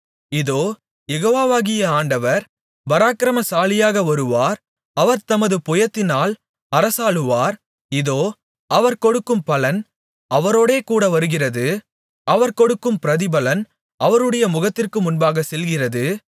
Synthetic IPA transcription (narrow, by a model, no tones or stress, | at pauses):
ɪðoː | jɛɣoːʋaːʋaːɣɪjɐaːɳɖɐʋɐɾ | bɐɾaːkɪɾɐmɐsaːlɪjaːɣɐʋɐɾɯʋaːɾ | ɐʋɐɾt̪ɐmɐðɯpɔjɐt̪ːɪnaːl | ɐɾɐsaːɭɯʋaːɾ | ɪðoː | ɐʋɐɾkɔɽɯkːɯmpɐlɐn | ɐʋɐɾoːɽeːkuːɽɐʋɐɾɯɣɪrɐðɯ | ʔɐʋɐɾkɔɽɯkːɯmpɪɾɐðɪbɐlɐn | ɐʋɐɾɯɽɐjɐmʊɣɐt̪ːɪrkɯmʊnbaːɣɐsɛlɣɪrɐðɯ